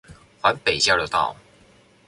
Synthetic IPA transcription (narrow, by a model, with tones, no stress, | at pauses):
xwa˨˦npe˨˩ɪt͡ɕjɑ˥˩d̪ə˩t̪ɑ̰˥˩˨ʊ